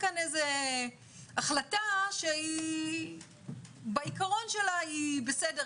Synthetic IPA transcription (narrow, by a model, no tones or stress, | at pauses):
kaneze | aχlataʃei | baikaʁo̞nʃe̞laibesede